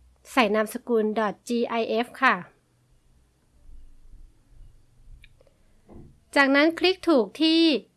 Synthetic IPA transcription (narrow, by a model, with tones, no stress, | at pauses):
sa˨˩jna˧msa˧kuː˧ndɔ˨˩t̪̚t͡ɕiː˧ʔa˧jʔe˦˥fkʰa˥˩ | t͡ɕaː˨˩k̚na˦˥nkʰɾi˦˥k̚t̪ʰuː˨˩k̚t̪ʰiː˥˩